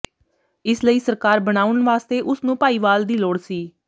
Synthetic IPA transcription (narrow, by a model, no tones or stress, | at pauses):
ɪsləiːsəɾkaːɾbəɽ̃aːʊɳʋaːst̪eːʔʊsnũːpaːiːʋaːld̪iːloːɽsiː